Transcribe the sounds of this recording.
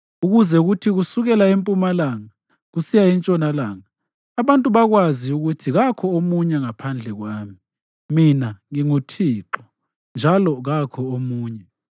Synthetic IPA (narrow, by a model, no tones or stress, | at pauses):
uɣuzɛuɣutʰiɣusuɣɛlaempʼumalaŋa | ɣusijaint͡ʃʼɔnalaːŋaː | βantʼuβaɣwaziuɣutʰiɣakʰɔomuɲɛŋapʰand͡ɮʱɛɣwaːmi | minaŋiŋutʰiːǁɔ | nd͡ʒʱalɔɣakʰɔomuːɲɛ